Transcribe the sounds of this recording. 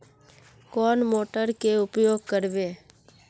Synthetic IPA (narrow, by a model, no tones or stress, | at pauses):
kɔːnmoːʈəɾkeʊpjoːɡ̚kəɾbeː